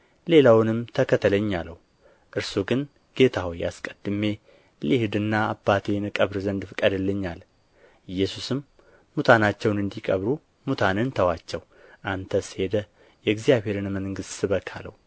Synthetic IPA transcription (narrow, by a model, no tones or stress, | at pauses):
le̞lawnɨmt̪ʰəkʰət̪ʰələɲːalːəw | ʔɨɾsuɡɨn | ɡ̥e̞t̪ʰawja̰skʼəd̪ːɨme̞ | lihd̪ɨnːaːbːat̪ʰe̞nɨkʼəβɾzənd̪ɨfɨkʼəd̪ɨlːɨɲːal | ɨjːɛsusɨmː | ut̪ʰanat͡ʃːɛwnɨnd̪ikʼəβɾu | mut̪ʰanɨnt̪ʰəwat͡ʃːɛw | ʔant̪ʰəsɨ̥he̞d̪ə | jɛɡzijaβhe̞ɾɨnməŋŋɡɨst̪ːɨβəkʰa̰lə̰w